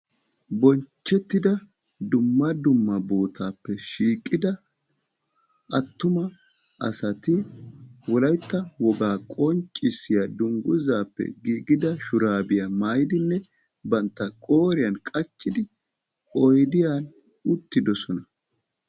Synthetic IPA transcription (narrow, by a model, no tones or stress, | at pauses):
bɔnt͡ʃːɛt̪ːɪd̪ɐ | d̪ʊmːɐd̪ʊmːɐboːt̪ʰaːpːɛʃiːkʼːɪd̪ɐ | ʔɐt̪ːʊmɐ | ʔɐ̰sɐt̪ɪ | wɔlɐjt̪ːɐwɔɡaːkʼɔnt͡ʃʼɪsːɪjɐd̪ʊŋɡʊzaːpːɛ̰ɡiːɡɪd̪ɐʃʊɾaːbɪjɐmaːjɪd̪ɪnːɛ | bɐnt̪ːɐkʼoːɾɪjɐnkʼɐt͡ʃːɪd̪ɪ | ɔjd̪ɪjaːn | ʊt̪ːɪd̪ɔsɔnɐ